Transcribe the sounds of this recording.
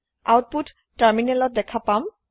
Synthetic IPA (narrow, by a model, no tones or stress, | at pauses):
a̰wʈ̚putːaɹminelɔt̚d̪ɛkʰapam